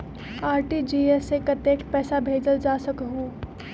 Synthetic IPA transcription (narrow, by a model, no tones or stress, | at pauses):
aːɾʈid͡ʒiːesekɐt̪eːkpɛːsabʱeːd͡ʒəld͡ʒaːsəkɦuː